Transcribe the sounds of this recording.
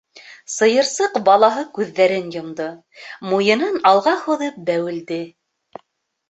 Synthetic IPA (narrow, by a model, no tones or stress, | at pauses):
sɤ̆jɤ̆ɾsɤqbɑlˠɑɦɤkʉðːæɾɘnjŏmd̪ɤ | mujɤ̆nɤnɑlˠʁɑhuðɤp̚bæwɘ̆ld̪ɘ